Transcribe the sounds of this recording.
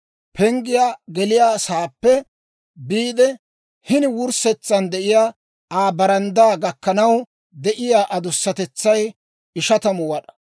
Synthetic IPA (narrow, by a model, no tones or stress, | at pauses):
pʰɛŋɡɪjaːɡɛlɪjaːsaːpːɛ | biːd̪ɛ | hɪnɪwʊɾsɛt͡sːɐnd̪ɛʔɪjaː | aːbɐɾɐnd̪aːɡɐkːɐnɐw | d̪ɛʔɪjaːʔɐd̪ʊsːɐt̪ɛt͡sːɐj | ɪʃɐt̪ɐmʊwɐɗɐ̥